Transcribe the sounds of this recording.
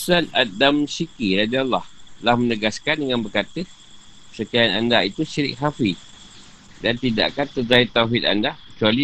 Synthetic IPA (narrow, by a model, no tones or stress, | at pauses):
sanadamsikiɾadialːɑhlahmənəɡaskandəŋanbərkat̪ə | səkaanandait̪uʃiɾɪ̰k̚ɦafi | dant̪ida̰ʔkant̪əd͡ʒait̪awɦɪt̪̚a̰ndakə̥t͡ʃuali